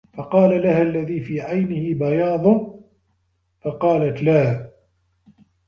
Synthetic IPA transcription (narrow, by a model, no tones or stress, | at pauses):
fɑqɑːlalahalːaðiːfiːʕajnɪhɪbajɑːd̪ˤʊ | fɑqɑːlat̪laː